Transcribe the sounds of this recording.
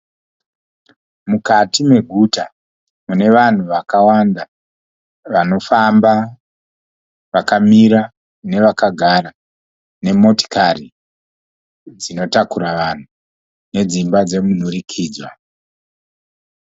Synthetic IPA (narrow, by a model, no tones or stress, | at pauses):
mukatimwe̞ɡʱuta | mune̞ʋan̤uʋakawanda | ʋano̞famba | ʋakamiɾa | ne̞ʋakaɡʱara | ne̞mo̞ti̥kari | d͡zino̞takuɾaʋan̤u | ne̞d͡zimbad͡ze̞mun̤urikʰiːd͡zwa